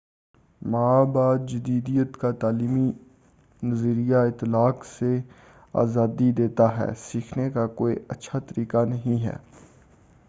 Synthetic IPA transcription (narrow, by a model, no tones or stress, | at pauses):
maːbaːd̪̚d͡ʒɪd̪iːd̪ijət̪kat̪aːliːmi | nəzəɾijaɪt̪ːlaːkse | a̰ːzaːd̪id̪eːt̪aɦɛ̰ːsiːkʰnekakoːḭətːʃʰat̪əɾiːkanəɦĩɦɛ̰ː